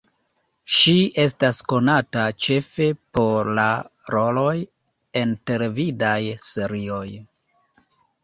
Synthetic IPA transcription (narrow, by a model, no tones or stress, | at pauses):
ʃiʔe̞stasko̞natat͡ʃe̞fe̞po̞ɾlaɾo̞lo̞j | ente̞levidajse̞ɾio̞j